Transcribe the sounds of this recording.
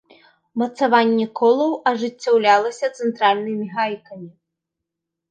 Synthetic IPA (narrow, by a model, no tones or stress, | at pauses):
mɐt̪savanʲːɛkɔlˠɐwɐʐɨt͡sʲːawlʲalˠɐsʲɐt̪sɛnt̪ɾalʲnɨmʲiɣajkɐmʲi